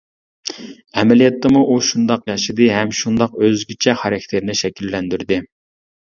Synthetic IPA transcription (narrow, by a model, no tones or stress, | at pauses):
ɛmɛlijɑt̪ʰːɨmuʔuʃund̪ɑqjɑʃɨd̪ɨɦɛmʃund̪ɑqøzɡʲit͡ʃʰɛχɑɾɑkʲt̪ʰeɾnɪʃɛkʲʰilːɛnd̪yɾd̪ɪ